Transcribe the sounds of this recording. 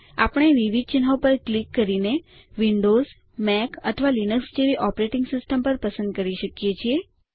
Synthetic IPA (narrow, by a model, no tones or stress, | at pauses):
a̰pəɽ̃eʋiʋid̪̚t͡ʃinɦaopəɾklikːəɾine | ʋiɳɖoz | mɛkət̪ʰəʋalinəksd͡ʒeʋiʔɔpɾeʈɪŋɡsɪsʈəmpəɾpəsə̃nd̪̚kəɾiʃəkjet͡ʃʰie